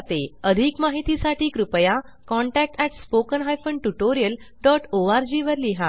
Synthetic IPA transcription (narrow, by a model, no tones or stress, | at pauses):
t̪eəd̪ʱikmaɦit̪isaʈʰiːkɾupəja | kɔɳʈæk̚ʈɛʈspokənɦajfəɳʈuʈoɾijəl | ɖɔʈʰoaɾd͡ʑiʋəɾliɦa